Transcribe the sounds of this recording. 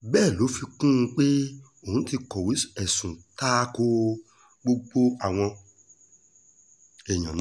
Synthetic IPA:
bɛː˦˨lo˨˦fi˧kũ˦˧k͡pe˦ | o˦˨ũ˨˦ti˧kɔ˨we˨˦ɛ˨sũ˨ta˦ko˧˦ | ɡ͡bo˧ɡ͡bo˦a˨w̃ɔ̃˧ | ɛ˨j̃ã˨nã˨˦

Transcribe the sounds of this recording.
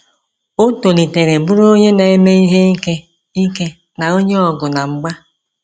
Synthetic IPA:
o˦to˨li˨te˨ɾe˨bu˦ɾo˦ɲe˦na˨e˦me˦i˦ɦe˦i˦ke˦ | i˦ke˦ | na˨o˦ɲe˦ɔ˨ɡʊ˨na˨ŋ͡m̩˨ɡ͡ba˦

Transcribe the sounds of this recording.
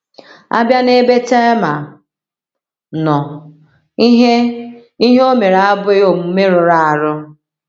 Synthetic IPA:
a̰˦bja˦ne˦be˦te˦ma˨ | nɔ˨˦ | ɦe˦i˦ɦe˦o˦me˨ɾa˦bʊ˦e˦o˨mu˨˦me˦ɾʊ˨ɾa˦a˨ɾʊ˦

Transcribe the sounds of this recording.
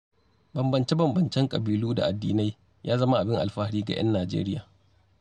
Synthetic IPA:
bɐ˨mbɐ˨nt͡ʃe˦bɐ˨mbɐ˨nt͡ʃɛ˦ŋkʼɐ̰˨biː˨luː˦da̰˨ʔa˨dːiː˨˦na˦j | jaː˦zɐ˦ma˦ʔa˨bɪ˦ŋʔa̰˨lɸaː˦ɽiː˦ɡa̰˨j̰ɐ̰˦nːaː˨d͡ʒḛː˦ɾɪ˦jaː˨

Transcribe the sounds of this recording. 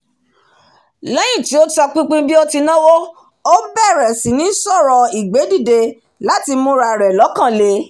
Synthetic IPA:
lɛ˦j̃ĩ˦˨ti˨˦o˦tɔ˧k͡pĩ˦k͡pĩ˦bi˦ɔ˦ti˧nã˦wo˦ | o˦bɛ˦˨ɾɛ˨sĩ˨˦nĩ˦sɔ˦˨ɾɔ˧i˨ɡ͡be˨˦di˦˨de˧ | la˦ti˧mũ˦ɾa˧˨ɾɛ˨lɔ˨˦kã˦˨le˧˦

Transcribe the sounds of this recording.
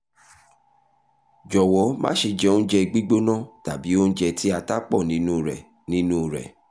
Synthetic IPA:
d͡ʒɔ˨wɔ˨˦mã̰ː˦ʃe˧d͡ʒɛ˧o˦n̩˦d͡ʒɛ˧ɡ͡bi˦ɡ͡bo˦nã˦˨ta˨bi˨˦o˦n̩˦d͡ʒɛ˧tʰi˦a˧ta˦k͡pɔ˦˨nĩ˨˦nũ˦˨ɾɛ̰˨ | nĩ˦nũ˦˨ɾɛ̰˨

